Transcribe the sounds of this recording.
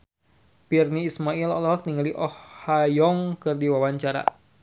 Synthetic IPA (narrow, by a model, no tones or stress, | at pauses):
pirniːsmailɔ̰lɔɦɔk̚niŋaliʔɔhhajɔŋkɨrdiwawaɲt͡ʃaɾa̰